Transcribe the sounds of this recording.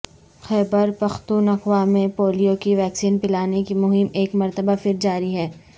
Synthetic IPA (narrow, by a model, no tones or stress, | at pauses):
xɛːbəɾpɐxt̪uːnɐxʋaːmẽpoːlijokiʋɛːksiːnpɪlaːnekimʊɦɪmeːkmɐɾt̪əbafɪɾd͡ʒaːɾiɦɛː